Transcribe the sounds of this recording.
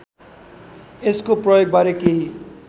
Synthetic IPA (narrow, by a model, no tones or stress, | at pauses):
eskoprʌjoɡ̚baɾekeɦi